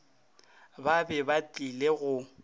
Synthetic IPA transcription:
babɛbatʼileɣʊ

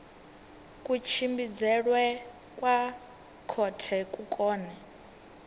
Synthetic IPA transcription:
kʼut͡ʃʰimbid͡zɛɺwɛ | kʼwa | kʰɔtʰɛkʼukʼɔːnɛ

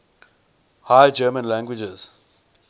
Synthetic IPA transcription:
hajd͡ʒəːmə̃nlæ̃ŋɡwɪd͡ʒɛz̥

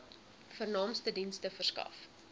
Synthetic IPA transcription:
fərnɑːmstədinstəfərskɐ̰f

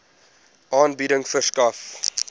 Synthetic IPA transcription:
ʔɑːnbiɾəŋfəskɐf

